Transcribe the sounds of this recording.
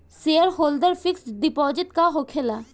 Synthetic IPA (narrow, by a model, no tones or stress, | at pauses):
seəɾɦold̪əɾfiksɖipɔːd͡ʒit̪̚kaɦokʰela